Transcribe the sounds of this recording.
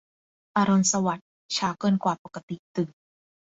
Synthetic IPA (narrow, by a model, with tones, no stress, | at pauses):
ʔaː˧ɾo˧nsa˧wa˨˩t̪̚ | t͡ɕʰaː˧˥wkɤː˧˩˨nkwaː˨˩po˨˩kːa˧t̪i˨˩t̪ɯ˨˩ŋ